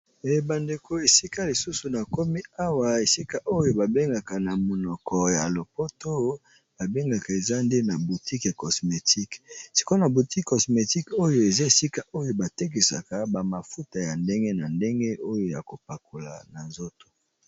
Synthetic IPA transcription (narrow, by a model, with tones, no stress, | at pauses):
e˨ba˨nde˨kʰo˨e˨si˦ka˦li˨su˦su˨na˨ko˦mi˦a˦wa˨e˨si˦ka˦ʔo˦jo˦ba˨be˦ŋɡa˨ka˨na˨mo˨nɔ˨kʰɔ˨ja˨lo˨po˦to˦ | b̥a˨be˦ŋɡa˨ka˨e˨za˦nde˦na˨bu˨ti˦ka˨kɔ˨sme˨tʰi˦ksi̥˨ko˦na˨bu˨ti˦kkɔ˨sme˨ti˦ko˦jo˦e˨za˦e˨si˦ka˦ʔo˦jo˦ba˨te˦k̬i˨sa̰˨ka˨ba˨ma˨fu˦ta˨ja˨nde˦ŋɡe˦na˨nde˦ŋɡe˦o˦jo˦ja̰˨ko˨pa˨ko˨la̰˨na˨nzo˦to̥˨